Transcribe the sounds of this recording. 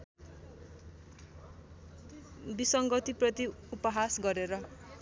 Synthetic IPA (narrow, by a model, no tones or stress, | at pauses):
bisʌŋɡʌt̪iprʌt̪iupʌɦasɡʌɾeɾʌ